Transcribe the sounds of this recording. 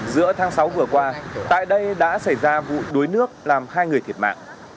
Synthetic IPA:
zɨ̰˧˥ət̪ʰaː˨˦ŋsa˨˦wvɨ˨˩əkwaː˧a̰ː˧˨jɗə˧jɗa̰ː˧˥sa˧˩jzaː˧vṵ˧˨ɗo˨˦jnɨ˦˥ək̚laː˨˩mhaː˧jŋɨ˨˩əjt̪ʰi˨˩ət̚ma̰ː˧˨ŋ

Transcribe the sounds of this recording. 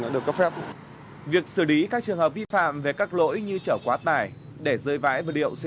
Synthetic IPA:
nɔ̰˧˥ɗɨ˨˩əkːə˦˥p̚fɛ˦˥p̚ | vi˨˩ək̚sɨ˧˩li˨˦kaː˦˥k̚t͡ɕɨ˨˩əŋɦəː˨˩p̚vi˧fa̰ː˧˨mve˨˩kaː˦˥k̚lo̰˧˥jɲɨ˧t͡ɕəː˧˩kwaː˨˦t̪aː˨˩j | ɗe˧˩zəː˧jva̰ː˧˥jvəː˨˩lḭ˧˨əwsi˧

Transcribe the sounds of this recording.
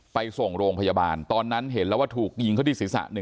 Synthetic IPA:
pa˧jso˨˩ŋɾoː˧ŋpʰa˧jaː˧ba̰ː˧nt̪ɔː˧nːa˦˥nɦe˩˦nlɛ˦˥waː˥˩t̪ʰuː˨˩k̚ji˧ŋkʰa˥˩t̪iː˧˥˩si˨˦˥sa̰˨˩ʔnɯ˨˩

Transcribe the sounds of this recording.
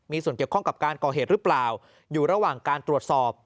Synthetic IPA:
miː˧su˨˩ənki˨˩əwkʰɔ˥˩ŋka˨˩p̚kaː˧nkɔː˨˩eː˨˩t̪̚ɾɯ˦˥plaː˨˩w | juː˨˩ɾa˧waː˨˩ŋkaː˧nt̪ɾu˨˩ət̪̚sɔː˨˩p̚

